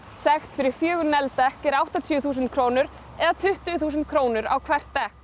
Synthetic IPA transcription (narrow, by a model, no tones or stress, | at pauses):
sɛxt̪fɪɾɪɾ̥fjœːɣʏɾnɛlt̪ɛhkɛɾawht̪at̪ʰjθuːs̬ɪnt̪kʰɾoːwnʏɾ | ɛðat̪ʰʏht̪ʏθuːsɪnt̪̚kʰɾoːwnʏɾa̰wkʰvɛr̥t̪ːɛhk